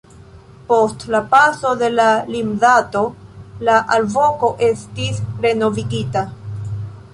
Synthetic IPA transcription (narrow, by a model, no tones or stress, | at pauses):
po̞stlapaso̞d̪e̞lalimdato̞laʔalvo̞ko̞ʔe̞stisɾe̞no̞viɡita